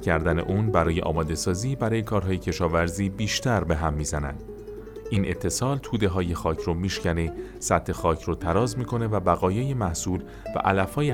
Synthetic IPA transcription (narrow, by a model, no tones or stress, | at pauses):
kʰæɾd̪æne̞̰ʔuːnbæɾɒːje̞ʔɒ̰ːmɒːd̪e̞sɒːziːbæɾɒːje̞kʰɒːɾɦɒːje̞cʰe̞ʃɒːvæɾziːbiːʃt̪ʰæɾbe̞ɦæmːiːzænæ̰nd̪̥ | ʔiːnʔe̞t̪ʰːe̞sɒːlt̪ʰuːd̪e̞ɦɒːje̞xɒːcʰɾomiːʃcænesæt̪ʰhe̞xɒːcʰɾuːt̪ʰæɾɒːzmiːkʰo̞ne̞væbæɣɒːjejemæhsuːl | væ̰ʔælæfhɒːje